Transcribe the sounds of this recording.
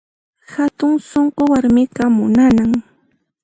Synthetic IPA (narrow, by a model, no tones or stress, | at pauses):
hat̪ʊŋsoɴqowaɾmɪqɑmʊnanaŋ